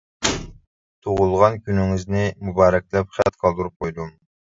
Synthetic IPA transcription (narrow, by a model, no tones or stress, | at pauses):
t̪ʰoʁʊlˠʁɑnkʲynɪŋɪznɪmubɑːɾɛk̚ʲlɛpχæt̪̚qʰɑlˠd̪uɾup̚qʰojd̪um